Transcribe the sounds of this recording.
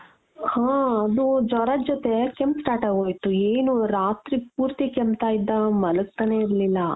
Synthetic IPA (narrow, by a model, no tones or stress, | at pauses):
hãːɐd̪ud͡ʒɔɾad͡ʒɔt̪e̞kempsʈaːʈaːɡoːjt̪ueːnuɾaːt̪ɾipuːɾt̪ikempt̪aːjid̪ːɐmɐlɐɡ̚t̪ɐne̞iɾlilːɐ